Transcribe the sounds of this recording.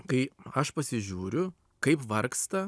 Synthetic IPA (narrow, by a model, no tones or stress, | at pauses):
kɐɪɐʃpɐsʲɪʒʲuːɾʲʊ | kɐɪpʋɐɾkst̪ɐ